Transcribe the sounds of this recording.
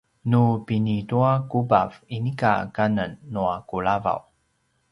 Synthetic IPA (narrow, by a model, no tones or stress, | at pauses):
nupinituakuba̰vinika̰kanənːuakuɭava̰w